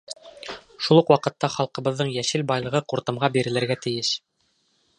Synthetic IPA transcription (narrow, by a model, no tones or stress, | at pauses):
ʃulˠɤqwɑqɤ̆t̪ːɑχɑlˠqɤ̆βɤ̆ðːɤɴjæʃɘlbɑjlˠɤ̆ʁɤquɾt̪ɤ̆mʁɑbiɾɘ̆lɘ̆ɾɡæt̪ɘ̆jɘʃ